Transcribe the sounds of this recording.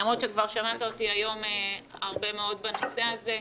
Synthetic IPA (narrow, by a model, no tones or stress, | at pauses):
amʁot̪ʃekvaʁʃamat̪aotiajo̞meaʁbe̞meo̞dbano̞seaze̞